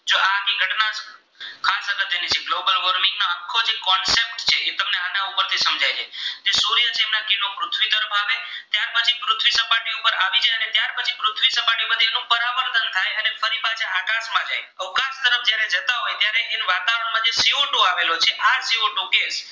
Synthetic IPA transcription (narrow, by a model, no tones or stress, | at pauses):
d͡ʒoʔakiɡʱəʈna | kʰãsək̪ət̪enid͡ʒeɡlobəlʋɔɾmĩŋɡnaəŋkʰod͡ʒekɔnsep̚ʈt͡ʃʰeʔet̪əmneanaupəɾt̪ʰisəmd͡ʒajt͡ʃʰed͡ʒesoɾijət͡ʃʰeːmnakɪlopɾʊt̪ʰʋit̪əɾəfaʋet̪jaɾpət͡ʃʰipɾʊt̪ʰʋisəpaʈiupəɾaʋid͡ʒajənet̪jaɾpət͡ʃʰipɾʊt̪ʰʋisəpaʈiməd̪ʱienũpəɾaʋəɾt̪ʰənt̪ʰajənefəɾipat͡ʃʰeakãsmãd͡ʒa̰j | əʋkãst̪əɾəfd͡ʒjaɾed͡ʒət̪aɦojt̪jaɾeʔenʋat̪aʋəɾəɳmãd͡ʒesioʈoaʋelot͡ʃʰeʔasioʈokes